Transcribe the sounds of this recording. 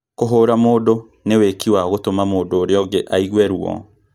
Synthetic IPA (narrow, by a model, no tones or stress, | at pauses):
koɦoɾamoːdo | newekiwaɣotomamoːdoːɾeɔɡeʔaiɣwɛɾuɔ̰